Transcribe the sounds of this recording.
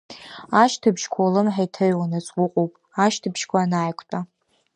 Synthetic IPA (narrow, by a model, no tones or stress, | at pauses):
aʃtʰɨbʒkʷʰawlɨmħajtʰaɥwanat͡sʼwʊqʼowpʼ | aʃtʰɨbʒkʷʰanaːjkʷʰtʼa